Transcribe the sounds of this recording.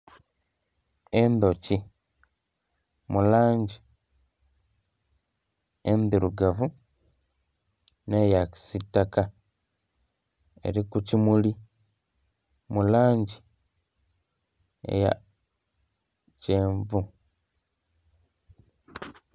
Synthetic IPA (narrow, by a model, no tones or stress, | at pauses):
end̪oci | mulaːɲɟi | endiɾuɡavu | nejaki̥sitːaka | e̞̰ɾikucimuli | mulaːɲɟi | ḛja̰ | ceːɱvu